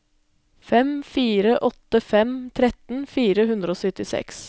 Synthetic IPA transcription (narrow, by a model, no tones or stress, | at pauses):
fɛmfiːɾəʔɔt̪əfɛmt̪ʰɾɛt̪n̩fiːɾəɦʉnd̪ɾəoːsœt̪ɪsɛ̰ks